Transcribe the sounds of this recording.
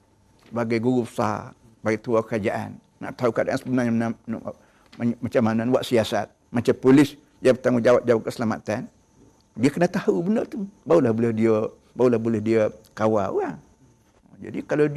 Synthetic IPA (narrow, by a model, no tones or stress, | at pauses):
baɡajɡuɡubəsa̰ | baɡit̪uakəɾad͡ʒaʔa̰n | ŋa̰ʔt̪aukəadaʔansəbənarɲamənan̰ | mat͡ʃamananwaʔsiasat̪̚mat͡ʃampulɪs | jabət̪aŋʊd͡ʒawat̪̚d͡ʒawat̪̚kəsəlama̰t̪an | diəkənat̪ahubənərt̪ubaulahbuləhdiə | baulahbuləhdiəkawa̰a | d͡ʒa̰dikalad